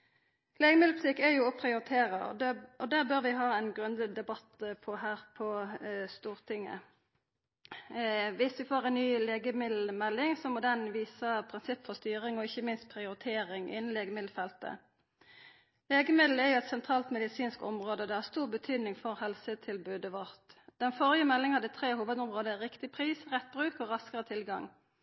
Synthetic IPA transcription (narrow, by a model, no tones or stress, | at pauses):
leːɡəmɪd̪l̩pft̪ɪkːɛjʊpʰʁɪʊɾɪt̪ʰeːʁɑʔɔd̪æʁbøːʁʋɪɦɑːɛnɡʁʉnd̪əd̪ɛbɑt̪pʰɔhæːʁpʰɔst̪uːʁt̪ʰɪŋːə̰ | ʋɪsʋɪfoːʁɛnnyːleːɡəmɪd̪l̩mɛlːɪŋsɔmoːd̪ɛnʋiːsəpʰɾʁɪnsɪpːfɔʁst̪yːʁɪŋɔɪçːəmɪnst̪̚pʰʁɪʊɾɪt̪ʰeːʁɪŋʔɪ̰nn̩leːɡəmɪd̪l̩fɛlt̪ə̰ | leːɡəmɪd̪l̩ɛʁjʊɛt̪sɛnt̪ʰʁɑːlt̪mɛd̪ɪsiːnskɔ̰mʁoːd̪əd̪ɛhɑʁst̪uːʁbət̪ʰyːd̪nɪŋfɔʁhɛlsət̪ʰɪlbøːd̪əʋɔʁt̪d̪̥ɛnfɔʁjəmɛlːɪŋhɑd̪ət̪ʰʁeːhuːʋəd̪ɔmʁoːd̪əʁɪkt̪ɪpʰʁiːsʁɛt̪̚bʁʉːkɔʁɑskəʁət̪ʰɪlɡɑ̰ŋ